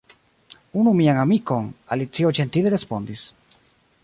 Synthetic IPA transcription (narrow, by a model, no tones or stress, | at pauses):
unumiaŋamiko̞nalit͡siot͡ʃe̞ntileɾe̞spo̞ndis